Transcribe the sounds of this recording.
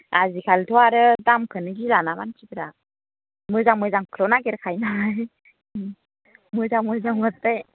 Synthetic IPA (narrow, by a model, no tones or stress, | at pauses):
azikʰaltʰɔwaɾɯdamkʰɯnɯɡilanabant͡ʃibiɾa | mɯzaŋmɯjzaŋkʰɯlɔnaɡeɾɯkʰajnaj | mɯzaŋmɯzaŋɯt̪̚ːaj